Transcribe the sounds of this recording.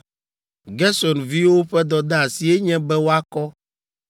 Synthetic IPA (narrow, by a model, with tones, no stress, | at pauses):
ɡɛ˦sɔ˨nvi˦wo˦ɸɛ˦d̪ɔ˨d̪a˦a˨si˨e˦ɲɛ̃˦bɛ˦wo˦a˦kɔ˦